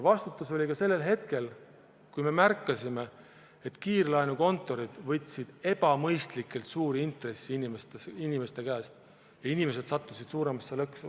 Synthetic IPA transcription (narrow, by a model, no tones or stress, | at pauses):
vɑst̪ut̪ːˑuso̞lʲikɑse̞lːe̞lɦe̞t̪ke̞l | kujme̞mærkːˑɑsʲime̞ | e̞t̪ːkiːrlɑjnuko̞nt̪ːˑo̞ɾid̪̥vɤt̪ʲːˑsid̪̥e̞b̥ɑmɤjst̪likːˑe̞lt̪suːɾiint̪re̞sːiinimest̪inime̞st̪e̞kæːst̪ | jɑinime̞s̬e̞d̪̥sɑt̪ˑːusid̪̥suːɾe̞mɑsːelɤksu